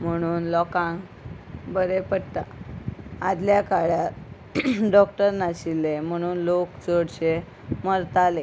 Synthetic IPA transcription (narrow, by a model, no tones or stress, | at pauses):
m̤əɽ̃uːnlɔkãŋɡ | bəɾepəɽt̪a | ad̪ljakaɭjat | ɖɔk̚ʈəɾnaɕilːem̤əɽ̃uːnlokt͡soɽɕe | məɾt̪ale